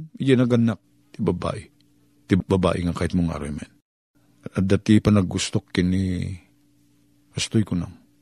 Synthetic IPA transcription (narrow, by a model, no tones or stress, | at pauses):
jɛnɐɡɐnak̚ | t̪ɪbaba̰ʔɪ | t̪ɪbaba̰ːʔɪŋakaːhɪt̪̚moŋa̰ɾojman | ɐd̪at̪ɪpɐnɐɡʊst̪okːɪni | kast̪ojkʊna̰ŋ